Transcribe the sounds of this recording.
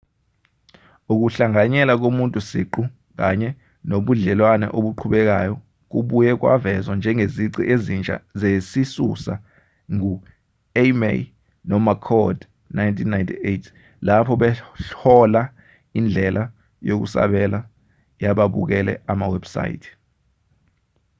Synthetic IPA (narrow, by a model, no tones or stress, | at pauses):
uk̬uɬaŋaɲɛlak̬omuntʼusḭǃu | k̬aɲɛ | noɓuɮɛlwanɛ̰ʔoɓuǃʰuɓɛk̬ajɔ | k̬uɓujɛk̬wa̰vɛzwand͡ʒʱɛŋeziǀiʔezint͡ʃʼa̰zesisṵsa̰ | ŋu | emḛ | nɔmakʰɔd | najntʰinːajntʰietʰ | lapʰɔɓɛɬɔla | ind͡ɮʱɛlʔa | jok̬ṵsa̰ɓɛla | jaɓaɓṵk̬ɛlɛ̰amawɛbsa̰jḭtʰi̥